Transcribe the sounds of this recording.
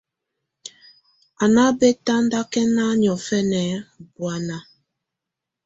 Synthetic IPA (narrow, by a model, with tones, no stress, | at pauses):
a˨na˦be˦ta˦n̩˦da˦kɛ˦na˦ɲɔ˨fɛ˦nɛ˨˦˨bwa˦na˦